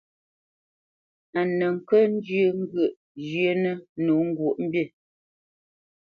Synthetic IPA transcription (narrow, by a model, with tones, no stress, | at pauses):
a˨nə˨ŋ̩˨kə˦n̩˦d͡ʒjə˦ŋ̩˦ɡə˦˨ʔ | d͡ʒjə˦nə˦nu˨˦ŋ̩˦ɡwo˨ʔm̩˦bje˦˨